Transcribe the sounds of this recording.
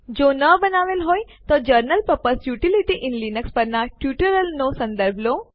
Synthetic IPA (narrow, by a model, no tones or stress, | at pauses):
d͡ʒonəbənaʋelɦoj | t̪od͡ʒəɾnəlpəpəsjuʈiliʈiʔɪnlinəkspəɾnaʈjuʈəɾəlnosə̃nd̪əɾbʱlo